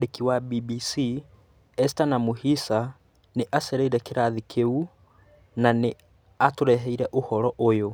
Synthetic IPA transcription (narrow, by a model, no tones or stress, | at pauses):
ekiwabibisi | ɛstanamuhisa | neʔaseɾeiɾɛkeɾaðikʰeu | nane | atoɾɛɦɛiɾɛʔohɔɾɔʔojo